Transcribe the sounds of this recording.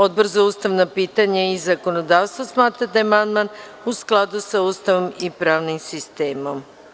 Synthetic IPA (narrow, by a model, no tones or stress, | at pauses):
od̪̚br̩zouːst̪aʋnapiːt̪aɲaizako̞nod̪aːʋst̪ʋosmaːt̪ɾad̪ajmand̪man | usklˠad̪usauːst̪aʋo̞mipɾaːʋnimsist̪eːmo̞m